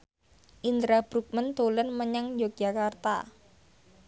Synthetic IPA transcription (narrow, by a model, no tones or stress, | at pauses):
ʔint̪ɾab̥ɾuk̚mənt̪olənməɲaŋjok̚d͡ʒakart̪a̰